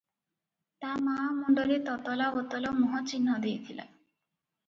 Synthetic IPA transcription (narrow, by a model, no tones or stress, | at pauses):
t̪amamɔɳɖɔɾet̪ɔt̪ɔlabɔt̪ɔlɔmɔɦɔt͡ʃinːɔd̪ejt̪ʰila̰